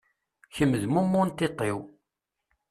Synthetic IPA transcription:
çəmːəðmumːʊnt̪ːɪt̪ˤːew

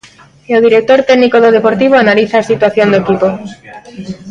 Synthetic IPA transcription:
oð̞iɾek̚t̪oɾt̪eɡnikoðoðepoɾt̪iβ̞oanaliθaːsit̪waθjond̪oekipo

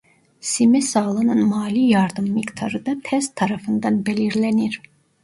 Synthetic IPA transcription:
simɛsɑːlˠɯnɯnmɑːlijɑɾd̪ɯmːikt̪ʰɑɾɯd̪ɑt̪ʰɛst̪ʰɑɾɑfɯnd̪ɑnbeliɾlæniɾ

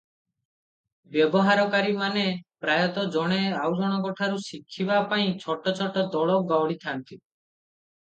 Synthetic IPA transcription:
bjɔbɔɦaɾɔkaɾimanepɾajɔt̪ɔd͡ʒɔɽ̃eawd͡ʒɔɽ̃ɔkɔʈʰaɾusikʰːibapaĩt͡ʃʰɔʈɔt͡ʃʰɔʈɔd̪ɔɭɔɡawɽit̪ʰant̪i

